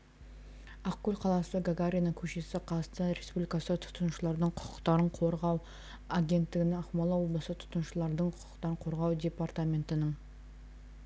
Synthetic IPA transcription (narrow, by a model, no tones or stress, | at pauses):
ɑqkʲːɵlʲqʰɑlˠɑsəɡaɡaɾʲijanəŋkʲʰɵʃe̞sɪqʰɑst̪əɾespublijkɑsət̪ʰʊ̥t̪ənʃəlˠɑɾd̪əɴqʰʊ̥qʊ̥qt̪ɑɾəɴqʰo̞ɾʁɑw | aɡʲe̞nt̪ːɪɡʲɪnɪɑqmɑlˠɑwo̞blˠəsət̪ʰʊ̥t̪ənʃəlˠɑɾd̪əɴqʰʊqə̥qt̪ɑɾəɴqʰo̞ɾʁɑwd̪ʲe̞part̪amʲe̞nt̪ɪnəŋ